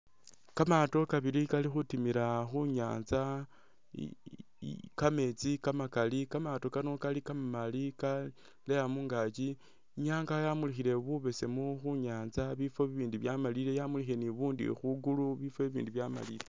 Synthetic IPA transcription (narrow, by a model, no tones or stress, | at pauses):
kamato̞kaβiɾikalixutimiɾaxuɲa̰ːnza | kame̞t͡sikamakalikamato̞kano̞kalikamamalika | lejamuːŋɡaːt͡ʃi | ɲaːŋɡajamulixiɾe̞βuβe̞se̞moxuɲaːnzaβifo̞βiβiːndiβjamaliɾe̞jamulixieniβuːndḭxuɡuluβife̞βḭːndiβjama̰lile